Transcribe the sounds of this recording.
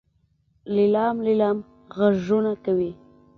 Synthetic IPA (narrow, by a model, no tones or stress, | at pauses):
lɪlɑmlɪlɑm | ɣaʒunakawi